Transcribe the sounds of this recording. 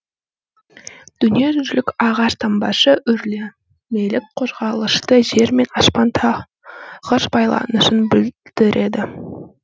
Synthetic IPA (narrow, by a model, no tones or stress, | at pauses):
d̪̥ʏnije̞ʒʏlɪkʲɑʁɑʃt̪ʰɑmbɑʃəʔʏɾle | melɪk̚qʰo̞zʁɑlˠəʃt̪əʒe̞ɾme̞nɑspɑnt̪ʰɑ | ʁəʃbɑjlˠɑ̰nəʃənbɪld̪̥ɪɾʔe̞d̪ɪ